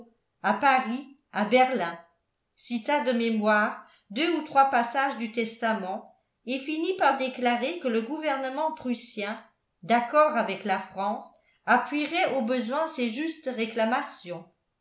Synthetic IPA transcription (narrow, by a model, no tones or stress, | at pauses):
apaʁi | abɛʁlɛ̃ | sit̪ad̪əmemwaːʁ | d̪øut̪χwapasaʒd̪yt̪ɛst̪amɑ̃ | efinipaʁd̪eklaʁekələɡuvɛʁnəmɑ̃pχysjɛ̃ | d̪akɔʁavɛklafχɑ̃s | apɥiʁɛʔobəzwɛ̃seʒyst̪ʁeklamasjɔ̃